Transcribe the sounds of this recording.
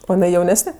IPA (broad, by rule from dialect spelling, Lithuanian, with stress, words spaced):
oː jɪˈnɐɪ jɛʊˈnʲæːsʲnʲɛ